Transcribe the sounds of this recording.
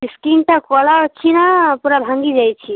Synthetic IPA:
iskinʈakɔlakʰinapuɾabʱãŋɡid͡ʒajt͡ʃʰi

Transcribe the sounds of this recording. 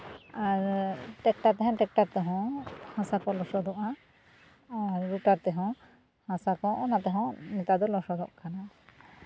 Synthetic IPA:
aɾʈɛk̚ʈaɾt̪ɛɦɔ̃ʈɛk̚ʈaɾt̪ɛɦɔ̃hãsakɔlɔsɔd̪ɔʔaː | ɾːuʈaɾt̪ɛɦɔ̃ | hãsakɔʔɔnat̪ɛɦɔ̃nɛt̪ad̪ɔlɔsɔd̪ɔʔkana

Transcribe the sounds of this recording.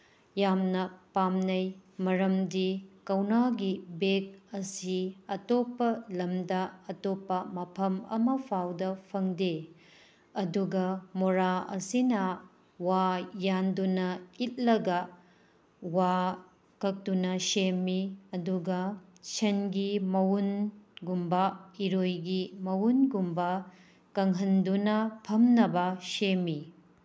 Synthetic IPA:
jamnɐpamnɐjmɐɾɐmdikɐwnaɡibek̚ɐsiɐtopːɐlɐmdɐɐtopːɐmɐpʰɐmɐ̰mɐpʰawdɐpʰɐŋde | ɐduɡɐmoɾaɐ̰sinɐ | wajandunɐit̚lɐɡɐ | wa | kɐk̚dunɐsemːiɐduɡɐ | t͡ʃenɡimɐwunɡumbɐiɾojɡimɐwunɡumbɐ | kɐŋɦɐndunɐpʰɐmnɐbɐsemːi

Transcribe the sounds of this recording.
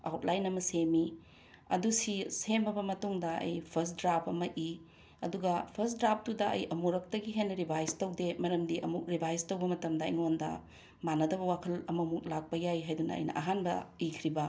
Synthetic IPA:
a̰wt̚lajnɐmɐsemi | ɐ̰dusisembɐbɐmɐtuŋdɐɐ̰jpʰɐs̬dɾapʰɐmɐʔi | ɐ̰duɡɐpʰɐsdɾap̚ʰtudɐʔɐ̰jʔɐmuɾɐk̚tɐɡiɦenːɐɾibʱajstɐwdemɐɾɐmdiʔɐ̰muk̚ɾibʱajstɐwbɐmɐtɐmdɐḭŋondɐ̰ | manɐdɐβɐwakʰɐlɐmɐmuk̚lak̚pɐjajɦajdunɐ̰ɐ̰jnɐ̰ʔɐ̰ɦanbɐ̰ikʰɾibɐ

